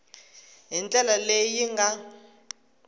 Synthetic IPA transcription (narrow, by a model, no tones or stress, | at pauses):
ɦint͡ɬʼɛlalejiŋɡa